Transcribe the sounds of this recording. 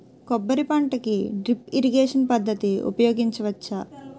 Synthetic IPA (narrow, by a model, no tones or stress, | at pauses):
kɔbːɐɾipɐɳʈɐkiɖɾipiɾiɡeːʂɐnpɐd̪ːɐt̪iṵpɐjoːɡiɲt͡ʃɐʋɐt͡ʃːɐ